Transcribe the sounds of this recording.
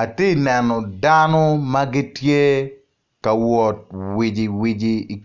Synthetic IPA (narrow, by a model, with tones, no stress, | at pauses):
a˨ti˦nɛ˨nɔ˨danɔ˦ma˦ɡi˦tje˦ | ka˨wɔ˨t̚wi˨d͡ʒi˨wi˨d͡ʒiː˨k